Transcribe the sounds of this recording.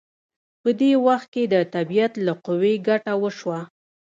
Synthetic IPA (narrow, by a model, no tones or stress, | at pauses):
pəd̪ewaxt̪̚ked̪ət̪abijat̪laqʊweɡaʈawəʃwa